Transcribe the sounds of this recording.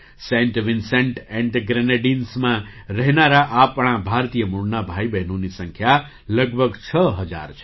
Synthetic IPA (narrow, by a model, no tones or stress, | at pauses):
sẽɳʈʋinseɳʈẽɳʈɡɾeneɖinsmãɾəɦnaɾaʔapɽ̃ãbʱaɾt̪ijəmuɽnabʱajbeɦnunisəŋkʰja | lʌɡbʱəɡt͡ʃʰʌɦəd͡ʒa̰ɾt͡ʃʰ